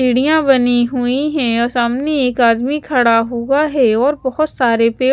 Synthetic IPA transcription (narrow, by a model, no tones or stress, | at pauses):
iːɽijãbɐniɦuiɦɛ̃ɔsaːmneeːkaːd̪mikʰɐɽaɦuaɦɛɔːɾbɐhʊt̪saːɾepeː